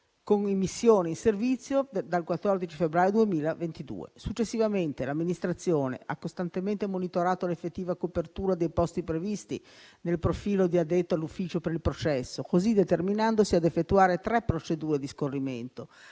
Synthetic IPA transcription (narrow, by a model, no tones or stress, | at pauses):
konimisːjoːniinservit̪sːjod̪alkwat̪ːɔrd̪it͡ʃifebɾaːjod̪uemiːlavent̪id̪ṵːḛsut͡ʃːesːivament̪elamːinist̪ɾat̪sːjoːnḛʔa̰kːost̪ant̪ement̪emonit̪oɾaːt̪olefːet̪ːiːvakopert̪uːɾad̪ejpɔst̪ipɾevist̪ḭ | nelpɾofiːlod̪iad̪et̪ːoalːufːiːt͡ʃopeɾilpɾot͡ʃɛsːokozid̪et̪erminand̪osiad̪efːet̪ːuaːɾet̪ɾɛpːɾot͡ʃed̪uːɾed̪iskorːiment̪o